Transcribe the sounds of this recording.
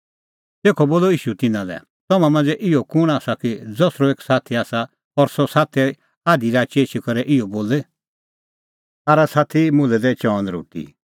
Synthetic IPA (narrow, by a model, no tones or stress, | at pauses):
t̪eːkʰɔboːlɔiːʃut̪ɪnãlɛ̰ | t̪ɔmãmɐ̃nd͡zɛʔɪɔkʊɽ̃aːsakid͡zɔsɾɔeːksaːt̪ʰiaːsa | pɔɾsɔsaːt̪ʰɛ | aːd̪iɾaːt͡ʃieːt͡ʃʰikɐɾɛʔɪɔboːle | aːɾasaːt̪ʰimʊ̃lɛd̪ɛt͡ʃɔːnɾo̰ːʈḭ